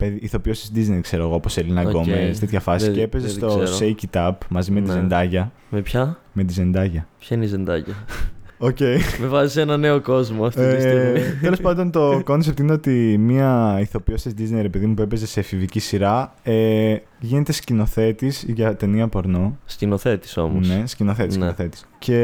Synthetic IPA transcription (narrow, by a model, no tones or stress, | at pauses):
peðiiθo̞piosisd̪iznejkse̞ɾo̞ɣooposelinɐɡo̞mest̪et̪çɐfɐsisceepe̞zest̪o̞sejcit̪ɐpmɐzime̞t̪izend̪ɐʝɐ | mepçɐ | me̞t̪ize̞nd̪ɐʝɐpçɐineizend̪ɐ̰ʝɐoce̞imevɐsisenɐne̞oko̞zmoset̪e̞lo̞spɐnd̪o̞nt̪o̞ko̞ns̬ep̚t̪ine̞o̞t̪imiɐiθo̞piosɐzd̪iznejɾe̞pe̞ðimupue̞pe̞ze̞se̞fivicisiɾɐ | e | ʝine̞t̪e̞scino̞θe̞t̪isʝɐt̪e̞niɐpo̞ɾno̞scinoθe̞t̪i̥so̞̰mone̞scino̞θe̞t̪isinnoθe̞t̪i̥sce̞